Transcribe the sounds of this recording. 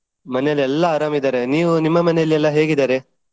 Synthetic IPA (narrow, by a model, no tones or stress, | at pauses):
mɐnejɐlɛlːɐaːɾaːmid̪aːɾeniːʋunimːɐmɐnɛjɐlːiɛlːɐɦe̞ːɡid̪aːɾe